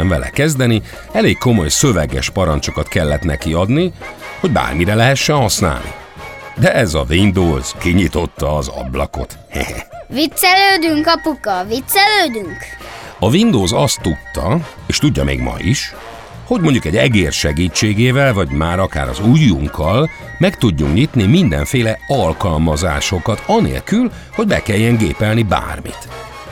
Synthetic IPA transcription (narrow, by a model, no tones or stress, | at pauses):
ɛɱvɛlɛ̰kɛzd̪ɛni | ɛleːkkːo̞mo̞jsø̞vɛɡɛ̰ʃpɒɾɒnt͡ʃo̞kɒt̪kɛlːɛt̪nɛkiɒd̪niho̞ɟba̰ːrmiɾɛlɛɦɛʃːɛnhɒsna̰ːlnʔḭ | d̪ɛʔɛzɒvind̪oːz̥kiɲit̪o̞t̪ːɒːzɒ̰blɒ̰ko̞̰t̪ | hḛʋit̪sɛløːd̪yŋkɒpukɒvit̪sɛløːd̪yŋkɒvind̪oːzɒst̪ːut̪ːɒ | eːʃt̪uɟːɒmḛːɡmɒ̰jiʃ | ho̞ɟmo̞ɲɟukɛɟɛɡeːrʃɛɡiːt͡ʃːeːɡeːvɛlvɒɟmaːɾɒka̰ːɾɒ̰zujːuŋkʰːɒl | mɛkt̪uɟːuŋkɲit̪nimind̪ɛ̰ɱfeːlɛɒlkɒlmɒza̰ːʃo̞kɒt̪ɒnḛːlkyl | ho̞ɟ̚bɛ̰kɛljːɛŋɡḛːpɛlniba̰ːrmḭt̪